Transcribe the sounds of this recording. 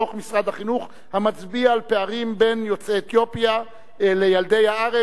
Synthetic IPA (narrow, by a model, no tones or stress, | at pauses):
oχmisʁad̪haχinuχ | hamat͡sbiaːlpe̞aʁimbe̞njo̞t͡seːt̪jo̞pja | lejald̪e̞jhaaʁe